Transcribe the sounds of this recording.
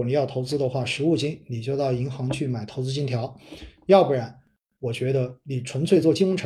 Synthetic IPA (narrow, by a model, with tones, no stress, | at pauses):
ɔ˨˩ni˨˩jɑ˥˩ʊt̪ʰo˧˥ʊt͡sɹ̩˥d̪ə˨˧xwa˥˩ʂɻ̩˧˥u˥˩t͡ɕi˥nni˨˩t͡ɕjo˥˧ʊt̪ɑ˥˩ʊi˧˥ŋxɑ˧˥ŋt͡ɕʰy˥˩ma˨˩ɪt̪ʰo˧˥ʊt͡sɹ̩˥t͡ɕi˥nt̪ʰjɑ˧˥ʊjɑ˥˧ʊpu˥˩ɻa˧˥n | wɔ˨˩t͡ɕɥɛ˧˥d̪ə˧ni˨˩ʈ͡ʂʰwə˧˥nt͡sʰwe˥˧ɪt͡swɔ˥˩t͡ɕi˥wə˥ŋʈ͡ʂʰ